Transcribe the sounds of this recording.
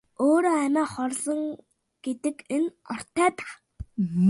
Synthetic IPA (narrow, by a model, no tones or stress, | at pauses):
oːɾoːæmæːχɔrɮə̆ŋ | ɡ̥et̪ɘ̆kenɔr̥t̪æːt̪ḁ